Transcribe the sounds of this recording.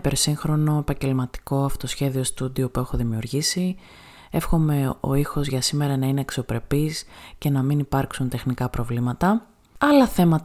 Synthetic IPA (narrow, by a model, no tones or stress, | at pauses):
pe̞ɾsiŋxɾo̞no̞epɐɲɟe̞lmɐt̪i̥ko̞ɐfo̥t̪osçe̞ðio̞st̪ud̪io̞pue̞xo̞ðimiuɾʝisi | e̞fxo̞me̞o̞̰ixo̞zʝɐsime̞ɾɐnɐineːkso̞pɾe̞pisce̞nɐminipɐɾksunt̪e̞xnikɐpɾo̞vlimɐt̪ɐ | ɐlɐθe̞mɐt̪